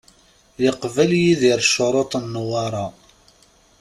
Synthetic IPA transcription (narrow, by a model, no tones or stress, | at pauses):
jəqvæljiðiɾʃːoɾˤot̪ˤnːwɑɾˤɑ